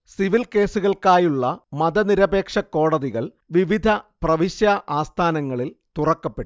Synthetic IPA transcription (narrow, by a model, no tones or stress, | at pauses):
siʋilke̞ːsuɣɐɭkaːjuɭːɐmɐd̪ɐniɾɐbe̞ːkʂɐkːo̞ːɽɐðiɣɐɭ | ʋiʋid̪ʱɐprɐʋiɕjɐʔaːst̪ʰaːnɐŋːɐɭilt̪urɐkːɐpːeʈːu